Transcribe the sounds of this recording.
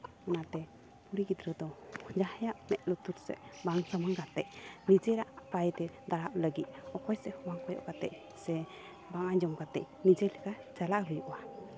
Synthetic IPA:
ɔnat̪ɛ | puɾiɡid̪ɾəd̪ɔd͡ʒahjaʔmɛʔ̚ˀlɔt̪uɾsɛ̰ʔbaŋsamaŋkat̪ɛʔnid͡ʒɛɾaʔpajt̪ɛd̪aɽaʔləɡit̪̚ɔkɔjsɛhɔmaŋkɔjɔ̰ʔkat̪ɛ̰ʔ | sɛ | baŋaɲd͡ʒɔmkat̪ɛʔ | nid͡ʒɛlɛka | t͡ʃalaʔɦujuʔwa

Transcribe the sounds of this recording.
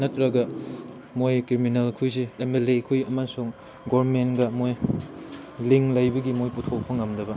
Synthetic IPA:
nɐtɾɐɡɐ | mojkɾiminɐlkʰujsiemelekʰujɐmasuŋ | ɡomenɡɐmoj | liŋlɐjbɐɡimojputʰokpʰɐŋɐmdɐbɐ

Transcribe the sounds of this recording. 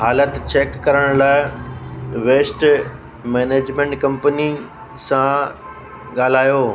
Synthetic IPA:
ɦaːlət̪t͡ɕeːkːɐɾəɽ̃laːɪ | ʋeːsʈ | mɛːneːd͡ʑmẽːɳʈkɐ̃mpni | sã | ɠaːl̤aːjoː

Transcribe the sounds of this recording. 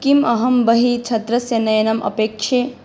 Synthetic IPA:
kimɐɦɐmbɐɦit͡ʃʰɐt̪ɾɐsjɐnɐjɐnɐmʔɐ̰peːkʃʰe

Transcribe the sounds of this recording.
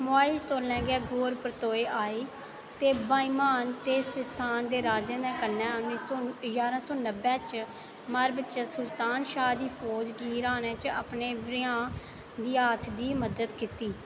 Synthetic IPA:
mʊaːid͡ʒt̪oːɾlɛ̃ːɡɛːɡoːɾpɾət̪oːeːʔaːiː | t̪eːbaːimaːnt̪eːsəst̪ʰaːnd̪eːɾaːd͡ʒãːd̪ɛ̃ːkənːɛ̃ːəisoːjaːɾãːsoːnəbɛ̃ːt͡ʃ | maːɾbətːʃɛːsʊlt̪aːnʃaːd̪iːpʰoːd͡ʒɡiːɾaːnɛ̃ːt͡ʃa̰pneːbɾɪãː | d̪iːaːt̪ʰd̪iːməd̪əd̪kit̪iː

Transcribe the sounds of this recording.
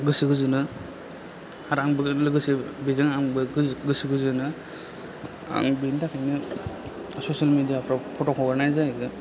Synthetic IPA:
ɡɯsiɡɯzɯnɯ | haɾaŋbɯlɯɡɯsibizaŋaŋbɯɡɯsiɡɯzɯnɯ | a̰ŋbindakʰajnɯ | sosalmedijapʰɾapʰotɔkʰɔɡaɾnajzaɡɯ

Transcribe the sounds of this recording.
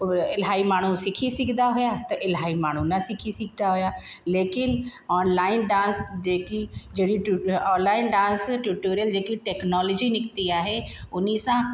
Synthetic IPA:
ɪlɦaːimaːɳ̤usɪkʰisɪkʰd̪aɦʊjat̪ɐʔɪlɦaːimaːɳ̤unɐsɪkʰisɪkʰd̪aɦʊjaleːkɪnɔːnlaːɪnɖãːnsd͡ʒeːkid͡ʒeːɽiʈuɔːnlaːɪnɖãːnsʈjuːʈoːɾijəld͡ʒeːkiʈɛːknɔːlɔd͡ʒinɪkt̪iaːɦeʊnisã

